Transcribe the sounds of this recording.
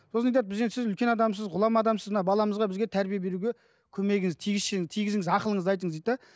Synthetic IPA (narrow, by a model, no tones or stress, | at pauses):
sosnɑjt̪ɑt̪̚bɪzesɪzʏlkʲe̞nɑd̪ɑmsəzʁʊlˠɑmɑd̪ɑmsəzmənɑbɑlˠɑməzʁɑbɪzɡʲet̪ʰæɾbijebe̞ɾuɡʲe | kʲʰɵme̞ɡʲɪŋɪzt̪ʰijɡʲɪzʃɪŋt̪ʰijɡʲɪzɪŋɪzɑqəlˠəɴəzɑjt̪əɴəzd̪ejt̪t̪ɑ